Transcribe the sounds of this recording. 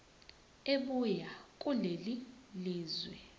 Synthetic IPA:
eɓujakʼuleliliːzwɛ

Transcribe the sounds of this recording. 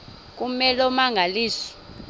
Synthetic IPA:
k̬ʼumɛlɔmaŋɡʱaliːsi̥

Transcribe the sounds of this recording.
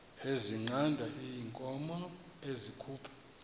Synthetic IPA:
eziŋ͡ǀandʱaʔijiŋkʼɔmɔ | ezikʰuːpʰḁ

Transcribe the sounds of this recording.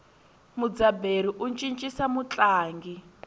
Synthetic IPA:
mud͡zabeɾiʔunt͡ʃʼint͡ʃʼisamut͡ɬʼaːŋɡi

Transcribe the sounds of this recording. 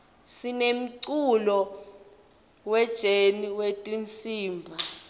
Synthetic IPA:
sinem̩ǀulɔ | wɛd̥ʒ̥ʱeniwetʼint͡sʼiːmbʱa

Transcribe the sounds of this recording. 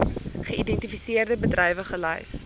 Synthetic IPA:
χəidɛntifisiərdəbədrɛjvəχəlɛ̰js

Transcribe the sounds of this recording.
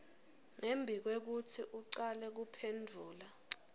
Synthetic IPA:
ŋembʱik̬wek̬utʰiʔuǀalɛk̬upʰendʱuːla

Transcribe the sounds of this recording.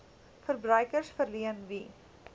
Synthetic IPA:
fərbrœɥkərsfərliənʋi

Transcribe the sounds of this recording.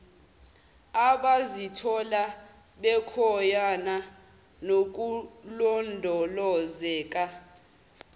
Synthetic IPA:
aɓazitʰɔla | ɓɛkʰɔjana | nok̬ʼulɔndʱɔlɔzɛːk̬ʼa

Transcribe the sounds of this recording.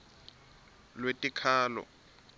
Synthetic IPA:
lwetʼikʰaːlɔ̰

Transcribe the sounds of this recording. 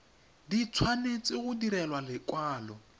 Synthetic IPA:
dit͡sʰwanet͡sʼɪɣʊdiɾɛlwalɪkʼwaːlɔ

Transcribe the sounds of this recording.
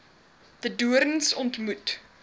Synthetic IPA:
ð̥əduəɾənsɔntmut

